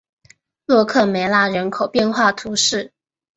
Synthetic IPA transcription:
lwɔ˥˧kʰɤ˥˩me˧˥ɪla˥ɻə˧˥nkʰo˨˩ʊpjɛ˥˧nxwa˥˩t̪ʰu˧˥ʂɻ̩˥˩

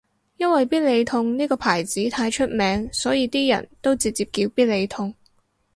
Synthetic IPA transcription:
jɐ˥nwɐ˨jpiː˥t̚le˨˧jt̪ʰʊ˧ŋniː˥kɔː˧pʰaː˨˩jt͡siː˨˥t̪ʰaː˧jt͡ʃʰɵ˥t̚mɛː˨˥ŋsɔː˨˥jiː˧t̪iː˥jɐ̰˨˩nt̪o˥wt͡siː˧t̚t͡siː˧p̚kiː˧wpiː˥t̚le˨˧jt̪ʰʊ˧ŋ

